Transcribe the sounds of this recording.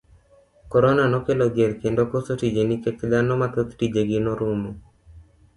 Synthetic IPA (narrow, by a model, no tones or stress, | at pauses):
kɔɾɔnanɔkeloɡjeɾkendokosotid͡ʒenikɛklanɔmat̪ot̪tid͡ʒeɡɪnɔɾumo